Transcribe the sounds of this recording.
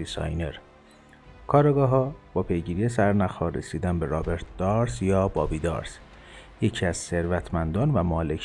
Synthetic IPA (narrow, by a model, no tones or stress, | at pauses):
isɒ̰jne̞ɾ | kʰɒːɾeɡɒːɦɒːb̥ɒːpʰe̞jɟiːɾijesæɾnæxɒːɾːḛsiːd̪ænbeɾɒːbe̞ɾt̪̚ʰd̪̥ɒːɾsjɒːbɒːbiːd̪ɒ̰ːɾs | je̞cʰiːæz̥se̞ɾvæt̪ʰmænd̪ɒːnvæmɒːle̞cʰ